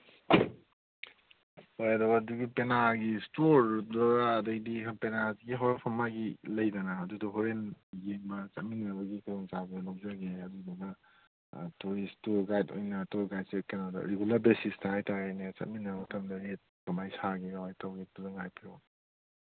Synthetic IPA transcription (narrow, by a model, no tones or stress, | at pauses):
hojɐdɐwɐduɡipenaɡistoɾdaːdɐɡdiɦpenaziɡiɦoɾenpʰɐmaɡilɐjdɐnɐːdudɐɦoɾenjeŋbɐt͡ʃɐt̚minːɐbɐɡikʰajoŋt͡ʃabalawd͡ʒaɡeɐdudɐdɐ | tuɾistuɾɡajto̰jnɐtoɾɡajd̚sekenadɐ̰ɾeɡulɐɾbesistɐhajtaɾejnet͡ʃɐ̰t̚minːɐbatʰɐmdɐɾet̚kɐmajsaɡiɡamajtʰawɡituzɐŋajpʰio